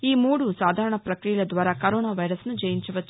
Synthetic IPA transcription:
iːmuːɽusaːd̪ʱaːɾɐɳɐpɾɐkɾijɐlɐd̪ʋaːɾaːkɐɾoːnaːʋɐjɾɐsnud͡ʒɐjiɲt͡ʃɐʋɐt͡ʃː

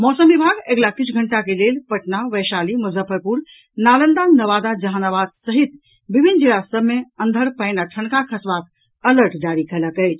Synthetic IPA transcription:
mɔsəmʋibʱaɡeɡlakit͡ʃʰɡʱəɳʈakelelpəʈnaʋəʃaliməzəpʰəpuɾ | nalənd̪annəʋad̪ad͡ʒəɦanaʋad̪səɦit̪ | bibʱind͡ʒilasəbmeə̃nd̪ʱəɾpəɪnaʈʰənkakʰəsʋak̚ | ələɾʈd͡ʒaɾikɛləkəjt͡ʃʰ

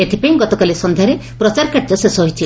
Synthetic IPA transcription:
et̪ʰipaj̃ɡɔt̪ɔkalisɔnd̪ʱjaɾepɾɔt͡ʃaɾkaɾd͡ʒɔsesɔɦojt͡ʃʰi

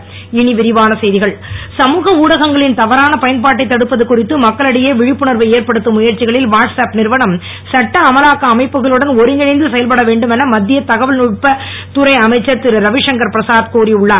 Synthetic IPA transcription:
ɪnɪʋɪɾɪʋaːnɐsɐjðɪɣɐɭsɐmuːɣɐuːɽɐɣɐŋɡɐɭɪnt̪ɐʋɐɾaːnɐpɐjɐnpaːʈ̬ːɐɪt̪ːɐɽɯpːɐðɯkːʊrɪt̪ːɯmɐkːɐɭɐɽɐjeːʋɪɻɪpːɯɳɐɾʋɐeːɾpɐɽɯt̪ːɯmʊjɐɾt͡ʃɪɣɐɭɪlʋaːʈsaːpnɪɾʋɐnɐm | sɐʈːɐːmɐlaːkɐːmɐɪpːɯɣɐɭɯɽɐnɔɾɯŋɡɐnɐɪnd̪ɯsɛjɐlpɐɽɐʋeːɳɖɯmɛnɐmɐd̪ːɪjɐt̪ɐɣɐʋɪlnʊʈpɐ | t̪ʊɾɐɪɐmɐɪt͡ʃːɐɾt̪ɪɾɯɾɐʋɪʂɐŋɡɐɾpɪɾɐsaːðkuːɾiʊɭːaː

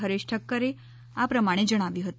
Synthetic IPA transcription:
ɦəɾɪʃʈʰəkːəɾe | apɾəmaɽ̃ed͡ʒəɽ̃aʋjũɦət̪

